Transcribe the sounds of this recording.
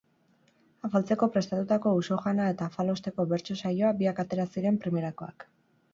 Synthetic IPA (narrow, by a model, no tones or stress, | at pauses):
afalt͡se̞ko̞pɾe̞st̪at̪ut̪ako̞uso̞ʝanae̞t̪afalo̞st̪e̞ko̞βe̞ɾt͡ʃo̞sajo̞abiakat̪e̞ɾasiɾe̞mpɾime̞ɾako̞a̰k